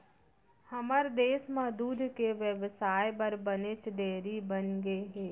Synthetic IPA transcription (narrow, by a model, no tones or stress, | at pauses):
həməɾd̪eːsmad̪uːd̪ʱkeʋjəʋsaːjbəɾbənet͡ʃɖeːɾibənɡeɦeː